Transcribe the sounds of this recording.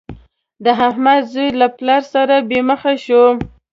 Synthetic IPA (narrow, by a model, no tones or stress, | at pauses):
d̪əɦahmad̪zujlaplɑɾsaɾabeməxaʃo